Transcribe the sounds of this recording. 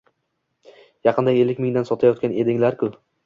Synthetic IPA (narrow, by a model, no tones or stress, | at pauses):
jɑqʰɨnd̪aɡʲe̞lːɪkʲmɪŋd̪ansɒt̪ʰajɒt̪kʲane̞d̪ɪŋlaɾkʰʲʊ